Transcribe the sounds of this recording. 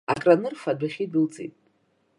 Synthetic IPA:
a̰kʼranɨrfadʷaχʲidɨlt͡sʼḭtʼ

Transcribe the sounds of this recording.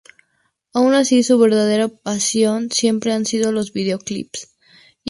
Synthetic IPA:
aunasisuβ̞eɾð̞að̞eɾapasjonsjempɾeansið̞olozβið̞eoklḭps

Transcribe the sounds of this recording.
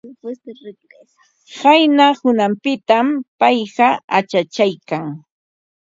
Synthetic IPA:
hajnahʊnampɪt̪ampajɢɑat͡ʃat͡ʃajkaŋ

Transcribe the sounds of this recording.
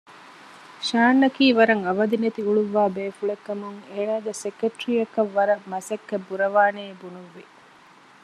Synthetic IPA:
ʃaːnːɐkiːʋɐɾɐŋɐʋɐd̪inet̪iuɭuʋːaːbeːfuɭekːɐmuŋeːnaːɡesekːeʈɾijɐkɐʋːɐɾɐmɐsɐkːebːuɾɐʋaːneːbunuʋːi

